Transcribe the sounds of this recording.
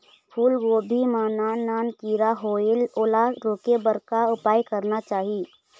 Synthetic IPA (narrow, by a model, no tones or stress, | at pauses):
pʰuːlʋobʱimaːnaːnːaːnkiːɾaɦoeloːlaɾoːkebəɾkaʊpaːjkəɾnat͡ʃaːɦi